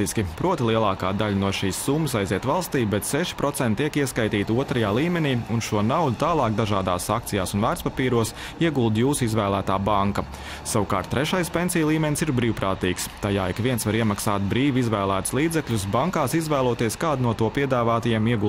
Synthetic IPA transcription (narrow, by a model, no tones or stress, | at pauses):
iskʲipɾuɔt̪ilˠiɛlˠɑːkaːd̪alʲnuɔʃiːsːumːəs̬ajziɛt̪ʋalˠst̪iːbɛt̪sɛʃi̥pɾɔt̪sɛnt̪̚ʲt̪iɛkiɛskajt̪iːt̪uɔt̪ɾajaːlˠiːmɛniːunʃuɔnawlut̪aːlˠɑːkd̪aʒaːd̪a̰ːsakt̪sijaːsunvæːɾspapiːɾuɔs | iɛɡulˠd̪juːsizʋæːlˠæːt̪aːbaŋkɐ | sawukaːɾt̪̚ːɾeʃajspʲensijlˠiːmɛnsiɾbɾiːwpɾaːt̪iːkst̪ajaːikʋiɛnsʋaɾiɛmaksaːt̪̚bɾiːʋizʋæːlˠæːt̪ʊ̥slˠiːd̪zɛkʎʲus̬baŋkaːsizʋæːlˠuɔt̪iɛskaːd̪nuɔt̪uɔpiɛd̪aːvaːt̪ajiɛmiɛɡu